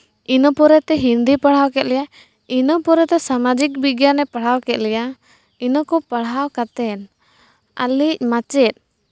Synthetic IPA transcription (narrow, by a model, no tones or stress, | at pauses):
inɔpɔɾɛt̪ɛɦind̪ipaɽ̤awkɛt̪̚lɛja | inɔpɔɾɛt̪ɛsamad͡ʒik̚biɡjanɛpaɽ̤awkɛt̪̚lɛja | inɔkɔpaɽ̤awkat̪ɛn | a̰lic̚mat͡ʃɛt̪̚ˀ